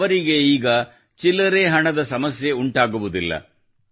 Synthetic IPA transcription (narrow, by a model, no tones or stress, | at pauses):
ʋɐɾiɡe̞iːɡɐ | t͡ʃilːɐɾe̞ːɦɐɳɐd̪ɐsɐmɐsjeuɳʈaːɡuʋud̪ilːɐ̰